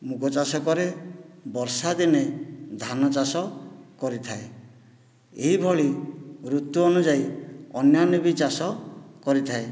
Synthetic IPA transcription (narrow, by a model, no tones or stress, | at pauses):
mukɔt͡ʃasɔkɔɾebɔɾsad̪ined̪ʱanɔt͡ʃasɔkɔɾit̪ʰae | eɦibʱɔɭiɾut̪ːuɔnud͡ʒajɔnjanibit͡ʃasɔkɔɾit̪ʰae